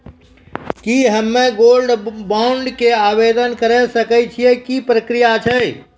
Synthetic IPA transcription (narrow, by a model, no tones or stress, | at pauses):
kiɦəmːeɡolɖbaʊɳɖkeabed̪ənkəɾɛsəkɛt͡ʃʰiekipɾəkɾijat͡ʃʰɛ